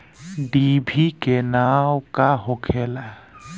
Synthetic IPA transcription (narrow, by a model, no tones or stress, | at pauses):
ɖibʱikɛnawkaɦɔkʰɛla